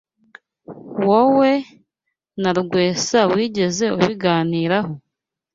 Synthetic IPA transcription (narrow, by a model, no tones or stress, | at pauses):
wowe̞ | naɾɡwe̞ːsawiːɟe̞ze̞uβiɡaːniːɾaho